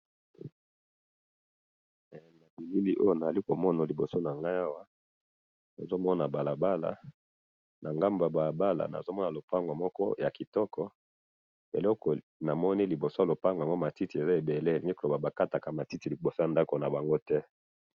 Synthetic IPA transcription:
na˨bi˨li˦li˦ʔo˦jo˦na˨a˨li˦ko˨mɔ˦na˨li˨bo˨so˦na˨ŋɡa˦a˦wa˦ | na˨zo˦mɔ˦na˨ba˨la˨ba˦la̰˨ | nʔa˨ŋɡa˦mba˨ba˨ba˦la̰˨na̰˨zo˦mɔ˦na˨lo˨pa˦ŋɡo˨mɔ˦kɔ̰˦ja˨ki˨tɔ˦kʰɔ˦ | ḛ˨lɔ˦kɔ˨ | na˨mɔ˦ni˦li˨bo˨so˦a˨lo˨pa˦ŋɡŋɡo˦ma˨ti˦ti˨e˨za˦e˨be˨le˦˨mi˦klo˨ba˨ba˨ka˦ta˨ka˨ma˨ti˦ti˨li˨bo˨so˦ja˨nda˦ko˨na˨ba˨ŋɡo˦tɛ˦

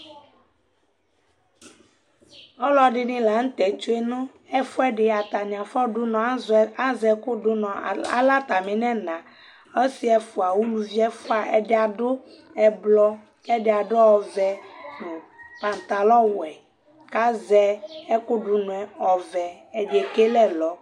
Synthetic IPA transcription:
ɔ˦lɔ˦ɖɪ˦nĩ˦la˨˦ŋ̩˦t̪ɛ˨t͡ʃo˦e˦nõ˦ | ɛ˦fo˦ɛ˦ɖɪ˨a˨t̪a˨ɲ˨ã˨fɔ˦ɖu˦nɔ̃˨˦a˦zɛ˦ko˦ɖu˦nɔ̃˨a̰˦la˦t̪a˨mẽ˨nɛ̃˦nã˨ | e˦si˦ɛ˦fo˨a˨wu˦lu˨vi˦ɛ˦fo˦a˨ʔɛ˨ɖɪ˦a˨ɖo˦ | ɛ˨blɔ˦ | kɛ˦ɖɪ˦a˨ɖo˦ɔ˨vɛ˨nõ˨pa˨n˨t̪a˨lɔ˦wɛ˨ | ka˦zɛ˦ɛ˦ko˦ɖu˦nũ˨ɛ˨ɔ˨vɛ˨ | ɛ˨ɖe˨ke˦lɛ˦lɔ˦

